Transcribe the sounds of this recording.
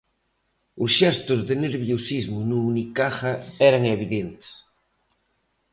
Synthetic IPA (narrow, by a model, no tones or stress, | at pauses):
ʊsʃɛst̪ʊzðeneɾβjosizmʊnuːnikaxɐɛɾaŋeβiðent̪e̥s